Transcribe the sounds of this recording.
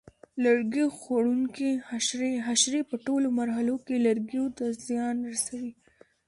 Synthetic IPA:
laɾɡixaɽuŋkihaʃɾeɦaʃɾepəʈolomaɾɦalokelaɾɡiot̪azjɑnɾasawi

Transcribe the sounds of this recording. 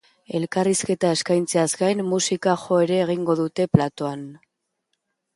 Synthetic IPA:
e̞lkariske̞t̪ae̞skajnt͡se̞azɡajnːusikaxo̞e̞ɾe̞ːɣ̞iŋɡo̞ðut̪e̞plat̪o̞an

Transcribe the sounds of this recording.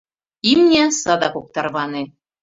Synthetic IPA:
imnʲæsɑd̪ɑkok̚t̪ɑrβɑnĕ

